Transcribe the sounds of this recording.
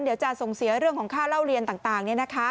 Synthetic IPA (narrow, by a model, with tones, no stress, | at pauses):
ndi˩˦wt͡ɕa˨˩so˨˩ŋsi˨˩˦ɐɾɯ˥˩əŋʰkʰɔː˩˦ŋkʰaː˥˩la˥˩wɾi˧ənt̪aː˨˩ŋt̪aː˨˩ŋni˥˩ɐna˦˥kʰa˦˥